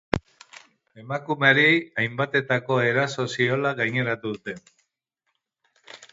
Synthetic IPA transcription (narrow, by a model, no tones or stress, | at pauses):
e̞makumeaɾiajmbat̪e̞t̪ako̞e̞ɾaso̞sio̞laɣajɲe̞ɾat̪uðut̪e̞n